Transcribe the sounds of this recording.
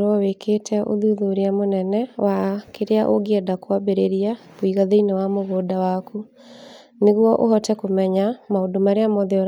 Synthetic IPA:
ɾɔwekʰetʰɛʔo̰ðuðoɾeamonɛnɛwakeɾeaʔoɡeɛdakwabeɾeɾiakoiɣaðeinewamoɣoːdawaku | neɣwɔʔoɦɔtɛkomɛɲamaodomaɾeamɔðeɔɾ

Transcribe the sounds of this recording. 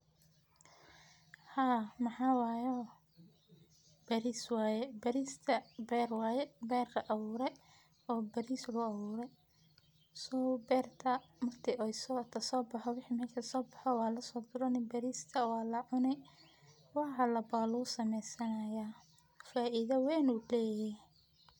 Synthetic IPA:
haːmɑħɑːwɑːjɔː | bɐɾiswaːjɛbɐɾiːst̪ʰɐbɛːrwɑːjɛbɛːrkɐʔɐβuːɾɛj | ɔːbɐɾiːslʊɐβuːɾɛj | sɔːbɛːrt̪ʰɐmɐrt̪ʰɪʔɔjsɔːt̪ʰɐsɔːbɑħɔwɪħiːmɐkʰɐsɔːbɑħɔwɑːlɐsɔːd̪ʊɾɐnɛbɐɾiːst̪ʰɐwaːlɐʕʊnɛ | wɑħɑlɐbaːluːsɐmɛjsɐnɐjaː | faːʔɪðɐwɛːnuːlɛːjɛ

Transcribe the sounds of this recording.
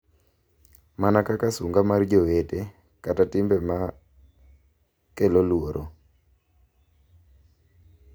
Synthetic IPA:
manakakasuŋɡamard͡ʒowete | katatɪmbɛma | kelolwoɾʔo̰

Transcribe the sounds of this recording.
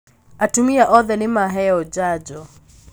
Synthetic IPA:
atumiaʔɔðɛnimaɦɛɔd͡ʒad͡ʒɔ

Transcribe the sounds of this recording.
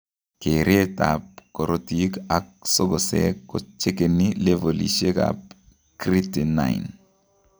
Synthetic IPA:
keɾeta̰p̚koɾotikak̚sɔɡɔsḛkːɔt͡ʃekenilevolḭʃeka̰p̚ | kɾitina̰ḭn

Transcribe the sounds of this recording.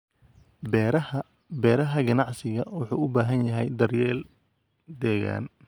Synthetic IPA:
bɛɾ | bɛːɾɐɦɐɡɐnɑʕsɪɣɐwʊħuːʊbaːɦɐnjɐɦɛjd̪ɐrjɛːl | d̪ɛːɣa̰ːn

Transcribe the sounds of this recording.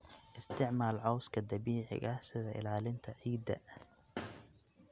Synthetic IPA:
ʔɪst̪ʰɪʕmaːlʕɑwskʰɐd̪ɐβiːʕɪ̰ɣɐhsɪðɐɪ̰laːlɪnt̪ʰɐʕiːd̪ɐ̰

